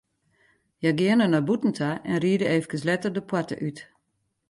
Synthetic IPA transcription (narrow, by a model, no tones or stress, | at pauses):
jaɡɪənənɔbutn̩tʰaʔɛnriədəeːfkənslɛtərdəpwatə̰ʔyt